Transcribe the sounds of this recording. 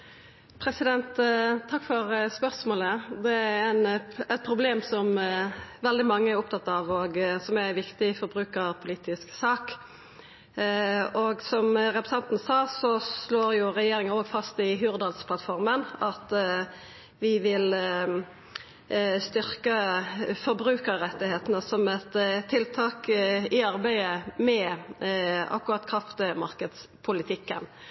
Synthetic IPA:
pʰɾɛsɪd̪ɛnt̪ʰːɑkːfɔɾspœʁsmoːləd̪ɛæɾænɛt̪̚pʰɾʊbleːmsɔm | ʋɛld̪ɪmɑŋːəæɾʊpt̪ʰɑt̪ːɑːʋɔɡsɔmæʋɪkt̪ɪfɔɾbɾʉːkəʁpʰʊliːt̪ɪsksɑːk | ɔɡsɔmʁɛpɾəsɑnt̪nsɑːsɔsloːɾjʊʁɛjeːɾɪŋəoːɡfɑst̪ɪɦʉːʁd̪ɑlspʰlɑt̪fɔʁmənɑt̪ | ʋɪʋɪl | st̪ʏʁkəfɔɾbʁʉːkəɾːɛt̪ːɪheːt̪ənəsɔmɛt̪t̪ʰːɪlt̪ʰɑːkɪɑɾbæɪəmɛ | ɑ̰kːʊʁɑt̪kʰʁɑft̪əmɑʁkəd̪s | pʰʊlɪt̪ʰɪkːən

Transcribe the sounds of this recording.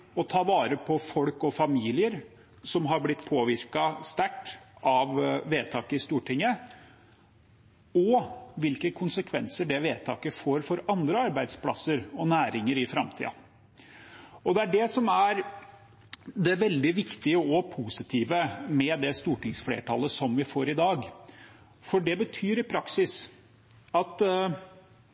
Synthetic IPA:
ɔt̪ʰɑːʋɑːɾəpʰɔfɔlkɔfɑmiːlɪəɾ | sɔmɦɑɾblɪt̪ːpʰoːʋɪɾkɑst̪æʈːɑʋːeːt̪ʰɑːkəɪst̪uːʈʰɪŋːə | ɔʋɪlkəkʰʊnsəkʰʋɛnsəɖɛʋeːt̪ʰɑ̰ːkəfoːɾfɔɾɑnd̪ɾəɑɾbæɪd̪spʰlɑ̰səɾɔnæːɾɪŋəɾɪfɾɑmt̪ʰḭːɑ̰ | ɔd̪ɛæɖɛsɔmæɾ | d̪ɛʋɛld̪ɪʋɪkt̪ɪəɔpʰuːsɪt̪ʰiːʋəmɛd̪ɛst̪uːʈɪŋsflḛːʈʰɑlːəsɔmʋɪfoːɾɪd̪ɑːɡ | fɔɖɛbət̪ʰyːɾɪpʰɾɑksɪs | ɑt̪

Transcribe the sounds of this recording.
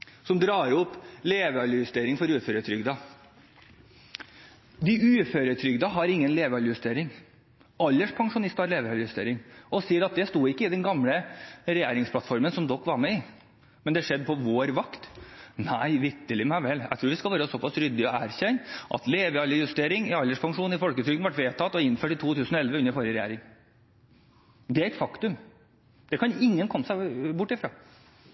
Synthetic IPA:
sɔmd̪ɾɑːɾɔpːleːʋəɑləjʉst̪eːɾɪŋfɔɾʉːføːɾət̪ʰɾʏɡd̪ɑ | d̪ɪʔʉːføːɾət̪ʰɾʏɡd̪əɦɑɾɪŋːənleːʋɑljʉst̪eːɾɪŋ | ɑlːəʂpʰɑŋʂʊnɪst̪ɑɾleːʋəɑljʉst̪ḛːɾɪŋɔsiːəɾɑt̪̚d̪ɛst̪uːɪkːəɪd̪ɛnɡɑmləɾɛjeːɾɪŋspʰlɑt̪fɔɾmənsɔmd̪ɔkːʋɑɾmɛɪ | mɛnd̪ɛæʂɛd̪ːəpʰɔʋoːɾʋɑkt̪næɪʋɪɾt̪əlɪmæɪʋɛlːæ̰ɪt̪ɾuːʋɪskɑlʋæːɾəsɔpɑsɾʏd̪ːɪɔæːɾɕɛnʔɑ̰t̪leːʋəɑlːəjʉst̪eːɾɪŋɪɑlːəʂpʰɑŋʂuːnɪfɔlkət̪ʰɾʏkənʋɑʈʋeːt̪ʰɑt̪ːɔɪnføːʈɪt̪ʰuːt̪ʰʉːsənɔɛlʋəʉnːəɾfɔɾjəɾɛjæ̰ːɾɪŋ | d̪ɛæɾɛt̪fɑkt̪ʉm | d̪̥ɛkʰɑnɪŋːənkʰɔmːəsæɪbʊʈːɪfɾɑ̰ː

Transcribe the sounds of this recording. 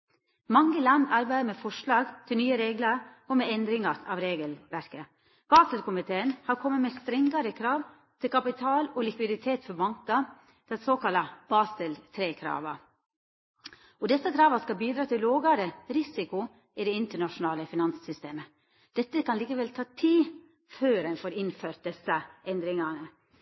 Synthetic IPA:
mɑŋːəlɑnd̪ɑɾbæɪd̪əɾmɛfɔʂlɑːɡt̪ʰɪlnyːəɾeːɡləɾ | ɔmɛɛnd̪ɾɪŋɑɾɑ̰ʋɾeːɡəlʋæɾkə | b̥ɑːsəlkʰʊmɪt̪ʰeːənhɑɾkʰɔmːəmɛst̪ɾɛŋɡɑɾəkʰɾɑːʋ | t̪ʰɪlkʰɑpɪt̪ʰɑːlɔlɪkʋɪd̪ɪt̪ʰeːt̪fɔɾbɑŋkɑ | d̪̥ɛnsoːkɑlːɑb̥ɑːsəlt̪ʰɾeːkʰɾɑ̰ːʋɑ | ɔd̪ɛsəkʰɾɑːʋɑskɑlbiːd̪ɾɑːt̪ʰɪlːoːɡɑɾəɾɪsɪkʊ | ɪd̪ɛɪnt̪əɳɑʂʊnɑːləfɪnɑnssʏst̪eːmə | d̪̥ɛt̪ːəkɑnliːkəʋɛlt̪ʰɑːt̪ʰiː | føːɾɛnfɔːɾɪnføːɾt̪̚d̪ɛsəʔɛnd̪ɾɪŋɑnə

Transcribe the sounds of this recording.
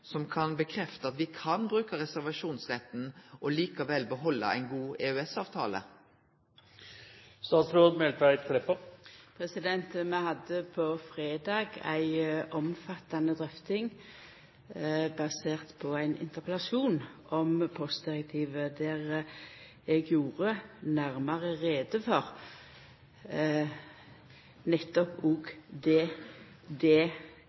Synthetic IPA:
sɔmkʰɑnbəkʰʁɛft̪əɑt̪ʋɪkʰɑnbʁʉːkəʁɛsæʁʋɑʃuːnsʁɛt̪n̩ʔɔliːkɑʋɛlbəɦɔlːə̰æ̰ɪnɡuːeːœɛsɑːʋt̪ʰɑ̰ːlə̰ | st̪ɑːsɾoːd̪mɛlt̪æɪt̪kʰlɛpːəpʰʁɛsɪd̪ɛnt̪mɛhɑd̪ːəpʰɔfʁeːd̪ɑːɡæ̰ɪʔɔmfɑt̪ːɑnəd̪ʁœft̪ɪŋ | bɑseːʁt̪pʰɔæɪnɪ̰nt̪əʁpəlɑʃuːnʔɔmpʰɔst̪̚d̪ɪʁək̚t̪ʰiːʋəd̪æʁ | ɛɡjuːʁənæʁmɑʁəʁeːd̪əfɔʁ | nɛt̪ːɔpʊɡd̪ɛ | d̪ɛ

